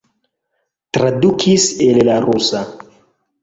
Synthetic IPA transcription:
tɾadukʰisellaɾusa

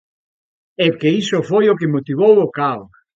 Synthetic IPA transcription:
ɛkeisofojokemot̪iβowokaos

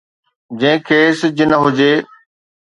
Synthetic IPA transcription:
d͡ʑɐ̃ɦɪ̃kʰeːsɪd͡ʑɪnəɦʊd͡ʑeː

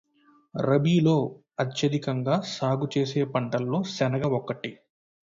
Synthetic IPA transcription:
ɾɐbiːlo̞ː | ɐt̪jɐd̪ikɐŋɡaːsaːɡut͡ʃe̞ːse̞ːpɐɳʈɐlːo̞ːsɛnɐɡɐɔkːɐʈi

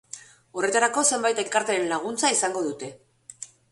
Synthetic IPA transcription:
o̞re̞t̪aɾako̞se̞mbajt̪e̞lkaɾt̪eenlaɣ̞unt͡saisaŋɡo̞ðut̪e̞

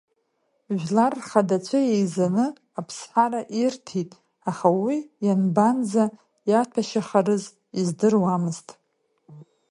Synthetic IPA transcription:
ʒʷᶣlarχadat͡ʃʷʰajejzanɨ | apʰsħaɾaʔirtʰitʼ | aχawijanbanza | jatʰaʃaχaɾɨz | izdɨrwamɨztʼ

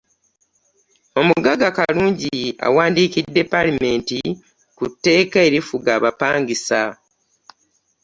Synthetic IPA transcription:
o̞muɡaɡakaluːɲɟia̰waːndiːkidːe̞palime̞ːnti | kutːe̞ːkae̞ɾifuɡaːβapaːŋɡisa

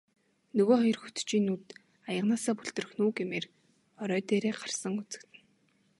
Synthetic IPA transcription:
nɵɣoːχɔjɞ̆rxut̪t͡ɕiːnːuːt̪ | ajə̆ʁnaːsaːpɵɮt̪ɵ̆rɵ̆xnuːɡemeːr | ɔɾœːt̪eːɾeːɢarsə̆ŋut͡sɘ̥̆kt̪ʰɘ̆n

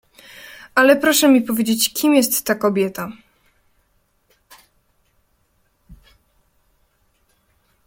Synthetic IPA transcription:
alɛpɾɔʂɛmʲipɔvʲjed͡ʑet͡ɕkʲimjɛst̪ːakɔbʲjɛt̪a

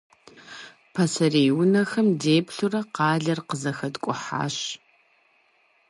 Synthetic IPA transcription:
pʰɐsɐrejwʊnɐxɐmdeːpɬurɐqɑːɮɐrqəzɐxɐdkʷʼʊħa̰ːɕ

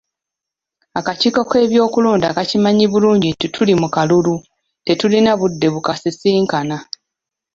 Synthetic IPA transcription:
akaciːkoke̞ːβjo̞ːkuloːnda̰kacimaɲiβuluːɲɟititʰulimukalulu | te̞tulinaβudːe̞βukasisiːŋkana

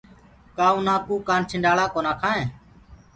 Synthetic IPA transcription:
kaːũːnaːkuːkaːnt͡ʃʰɪɳɖaːɽaːkoːnaːkʰaːẽː

